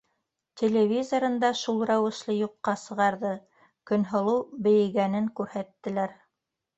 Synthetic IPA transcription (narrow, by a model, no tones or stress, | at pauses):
t̪ʲʰelʲevʲizoɾɤ̆nd̪ɑʃulˠɾæwɘ̆ʃlˠɤjuqːɑsɤ̆ʁɑɾðɤ | kɵ̆nɦŏlˠɤwbɘ̆jɘ̆ɡænɘŋkʉɾhæt̪ːɘ̆læɾ